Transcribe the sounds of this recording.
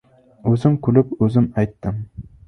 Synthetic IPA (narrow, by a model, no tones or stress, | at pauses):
ɵzɪmkʰʊlɪpɵzɪmajt̪ːɪm